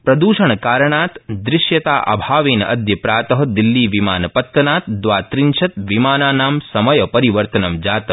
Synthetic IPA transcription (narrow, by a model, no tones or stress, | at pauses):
pɾɐd̪uːʃɐɳkaːɾɐɳaːt̪d̪ɾɪʃjɐt̪a̰ːʔɐ̰bʱaːʋeːnɐ̰d̪ʱjɐpɾaːt̪ɐɦɐd̪ilːiːʋimaːnɐpɐt̪ːɐnaːt̪̚d̪ʋaːt̪ɾiɲʃʰɐt̪ʋimaːnaːnaːmsɐmɐjɐpɐɾiʋɐɾt̪ɐnɐmd͡ʒaːt̪ɐ